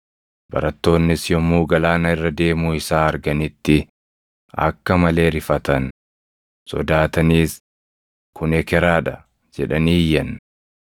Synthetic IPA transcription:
bɐ̰ɾɐt̪ːo̞ːnːɪsjɔmːuːɡɐlaːnɐɪrːɐd̪e̞ːmuːɪsaːɐɾɡɐnɪt̪ːɪ | ɐ̰kːɐmɐle̞ːɾɪfɐt̪ɐn | sɔ̰d̪aːt̪ɐniːs | kʊnɛkɛɾaːᶑɐ | d͡ʒɛᶑɐniːjːɐn

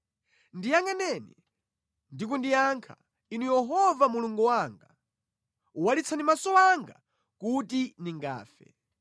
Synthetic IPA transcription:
ndijaŋɡanɛnḭ | ndikundijaŋkʰa̰ | inujɛɦɔvamuluŋɡuwaŋɡa | walit͡sʰanimasɔwaŋɡa̰ | kutiniŋɡa̰ːfɛ̰

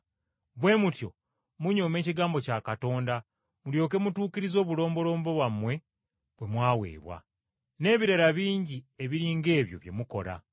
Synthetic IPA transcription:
βwe̞ːmutjo̞̰ | muɲo̞me̞ːciɡaːmbo̞cakato̞ːnda | muljo̞ːk̬e̞mutuːciɾizo̞ːβulo̞ːmbo̞lo̞ːmbo̞βwamwe̞ | βwe̞mwaːwe̞̰ːβwa̰ | ne̞ːβiɾeɾaβiːɲɟieβiɾiːŋɡe̞ːβjo̞̰βje̞̰muko̞̰ɾa̰

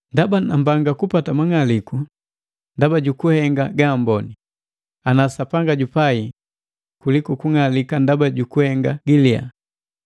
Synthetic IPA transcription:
ndabanambaŋɡakupatamaŋaliku | ndabaɟukuhɛŋɡaɡaːmbɔni | anasapaŋɡaɟupai | kulikukuŋalikandabaɟukuhɛŋɡaɡilia̰

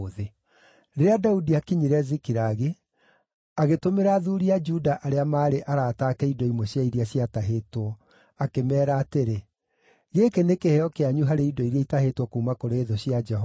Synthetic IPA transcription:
ðe | ɾeeadaudiakiɲiɾɛzikiɾaɣe | aɣetomeɾaːðuːɾiad͡ʒudaʔaɾeamaːɾeʔaɾaːtaːkɛidɔimwɔɕjaiɾiaɕiataɦetwɔ | akemɛːɾaːteɾe | ɣeːkenekeheɔkeaɲuɦaɾeidɔiɾiaitahetwɔkuːmakoɾeːðɔɕjad͡ʒɛɦɔ

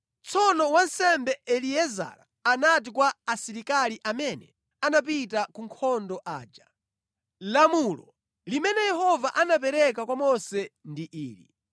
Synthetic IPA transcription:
t͡sɔnɔwansɛmbɛɛliɛza̰ɾa̰ | anat̬ikwaːsiɾikaliʔamɛnɛ | anap̬itakuŋkʰɔndɔʔa̰ːd͡ʒa | lamulɔ̰ | limɛnɛjɛɦɔvaʔanapɛɾɛkakwamɔsɛndiʔiːlḭ

